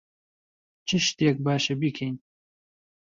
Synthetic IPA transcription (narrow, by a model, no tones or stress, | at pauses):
t͡ʃʰɨʃt̪eːk̚baːʃebikʰejn